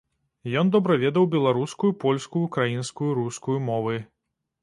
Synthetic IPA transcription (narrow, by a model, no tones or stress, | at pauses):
jɔnd̪ɔbɾavʲɛd̪ɐwbʲɛlˠaɾuskujupɔlʲskujukɾajinskujuɾuskujumɔvɨ